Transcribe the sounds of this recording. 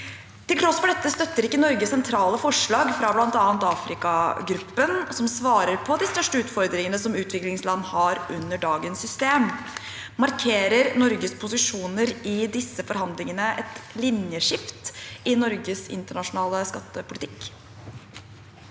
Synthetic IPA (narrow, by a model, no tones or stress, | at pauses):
t̪ɪlt̪ʰɾɔsːpɔd̪ɛt̪ːəst̪œt̪ːəɾɪkːənɔɾɡəsɛnt̪ʰɾɑːləfɔʂɭɑːɡfɾɑblɑnt̪ɑːənt̪ɑːfɾɪkɑɡɾʉpːənsɔmsʋɑːɾəɾpʰɔd̪ɪst̪œʂʈəʉːt̪fɔɾd̪ɾɪŋənəsɔmʉːt̪ʰʋɪklɪŋslɑnːhɑɾʔʉnːəɖɑːɡənsʏst̪eːm | mɑɾkʰeːɾəɾnɔɾɡəspʰʊsɪʂuːnəɾɪd̪ɪsːəfɔɾhɑnd̪lɪŋənəʔɛt̪lɪnjəʂɪft̪ɪnɔɾɡəsɪ̰nt̪əɳɑʂʊnɑːləskɑt̪ːəpʰʊlɪt̪ɪkː